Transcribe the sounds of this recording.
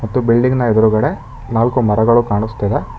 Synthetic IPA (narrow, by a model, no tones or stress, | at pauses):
mɐt̪ːubiɭɖiŋɡnɐed̪ɐɾuɡɐɽe | naːlkumɐɾɐɡɐɭukaːɳust̪ɐd̪e